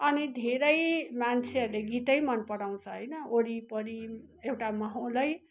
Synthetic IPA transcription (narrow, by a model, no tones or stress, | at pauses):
ʌnid̪ʱeɾʌjmant͡sʰeʌrleɡit̪ʌjmʌnpʌɽaw̃t͡sʰʌɦʌjnʌoɾipʌɾiewʈamʌɦolʌj